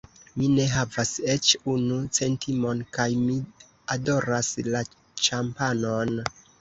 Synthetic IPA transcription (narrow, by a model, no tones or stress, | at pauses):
mine̞ɦavase̞t͡ʃunut͡se̞ntʰimo̞nkajmi | ado̞ɾasla | t͡ʃampano̞n